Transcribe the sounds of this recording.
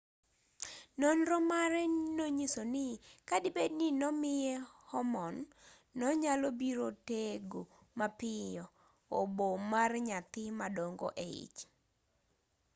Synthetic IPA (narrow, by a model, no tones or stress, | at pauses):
nɔnɾɔmaɾɛnoɲisonɪkadɪbednɪnɔmɪjɛhɔmɔnː | ɔɲalobiɾoteɡo | mapɪjɔ | obomarɲat̪ɪmadoŋɡo̰ʔeḭt͡ʃ